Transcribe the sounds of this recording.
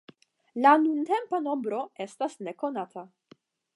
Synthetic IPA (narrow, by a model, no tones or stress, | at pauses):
lanunte̞mpano̞mbɾo̞e̞stasneko̞nat̪ʰa